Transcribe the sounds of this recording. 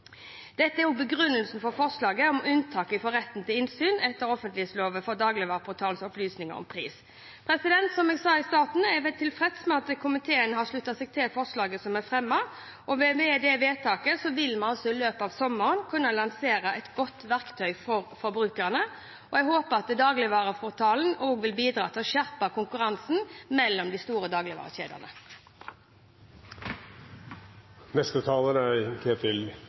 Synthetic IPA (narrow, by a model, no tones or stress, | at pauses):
d̪̥ɛt̪əæɾɔbəɡɾʉnːəlsn̩fɔʁfɔʁʂlɑːɡəɔmʉnt̪ʰɑːkəfɔʁɛt̪ːn̩t̪ɪlɪnsyːnɛt̪ːəɾɔfənt̪lɪhet̪sloːʋəfɔd̪ɑːɡlɪʋɑʁpʰʊt̪ʰɑːlsɔplyːsnɪŋə̰ʁɔ̰mpʰʁḭːs | pʰɾɛsɪd̪ɛnt̪sɔmɛːɡsɑːɪst̪ɑːt̪n̩ɛʋɛt̪ʰɪlfʁɛt̪smɛɑt̪̚kʰʊmɪt̪ʰeːənəhɑʂɭʉt̪ːɑsɛɡ̚t̪ʰɛlfɔʁʂɭɑːɡəsɔmɛfʁɛmːɑ | ʔɔʋɛʋɛd̪ɛʋeːt̪ʰɑːkəsɔʋɪlmɑnɔsːɔɪløːpɑːʋsɔmːəʁənkʰʉnːɑlɑnseːɾəʔɛt̪ɡɔt̪ːʋæʁkt̪ʰœʏfɔʁfɔɾbʁʉːkəʁnə | ɔɛɡɦoːpəʁɑt̪d̪ɑːɡlɪʋɑːʁəfɔʁt̪ʰɑːln̩oːɡʋɪlbiːd̪ɾɑ̰ːt̪ʰɪɔʃæʁpɑkʰʊŋkʉʁɑnsn̩mɛlːɔmd̪ɪst̪uːɾəd̪ɑːɡlɪʋɑ̰ːʁəɕḛːd̪ə̰ʁnə̰ | nɛst̪ət̪ʰɑːlənəækʰeːt̪ʰɪl